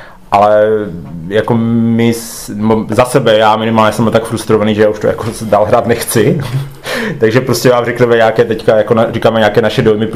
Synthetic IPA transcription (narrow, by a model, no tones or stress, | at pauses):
ʔalɛ | jakomɪs | nɛbozasɛbɛjaːmɪnɪmaːlɲɛsɛmlt̪akfɾust̪ɾovaniːʒɛjaːuʃt̪oja̰kozdaːlɦɾaːt̪nɛxt͡sɪ | t̪aɡʒɛpɾoscɛvaːmrɛknɛmɛɲaːkɛːt̪ɛckajakonarikaːmɛɲaːkɛːnaʃɛdojmɪp